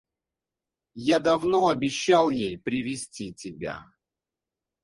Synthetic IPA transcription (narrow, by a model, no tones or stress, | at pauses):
jad̪ɐvnoɐbʲɪɕːalˠjejpɾʲɪvʲɪsʲtʲitʲɪbʲa̰